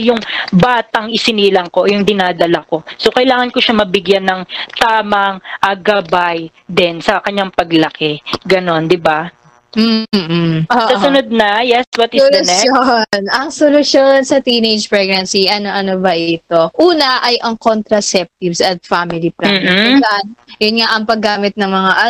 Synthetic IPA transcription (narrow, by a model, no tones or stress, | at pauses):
jʊŋbaːt̪ɐŋɪsɪniːlɐŋko̞jʊŋd̪ɪnaːd̪ɐlɐko̞sokɐjlaːŋɐnkoʃamɐbɪɡjanːɐŋt̪aːmɐŋʔɐɡɐbaj | d̪ɪnsɐkɐɲːaŋpɐɡlɐkɛɡɐno̞nd̪ɪba | m̩ | ʔoːʔɐsʊnod̪̚nɐjɛswɐt̪ɪssolʊɛonʔɐŋsolʊsjonsɐt̪iːnejd͡ʒpɹɛɡ̚nɐnsiʔɐnoʔɐnobɐʔɪt̪o̞ʔuːnɐʔɐjʔɐŋkont̪ɾɐsɛp̚t̪ivsɐt̪̚faːmɪliplɐm̩ːlɐnjʊnŋaʔɐŋpɐɡːaːmɪt̪̚nɐŋmɐŋaʔɐ